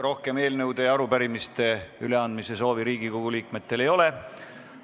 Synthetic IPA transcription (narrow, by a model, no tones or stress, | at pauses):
ro̞hke̞me̞ːlnɤwd̪ejɑɾupæɾimist̪e̞yle̞ɑnd̪mise̞so̞ːviɾiːɡikoɡ̥uliːk̚me̞t̪ːˑe̞le̞jo̞le̞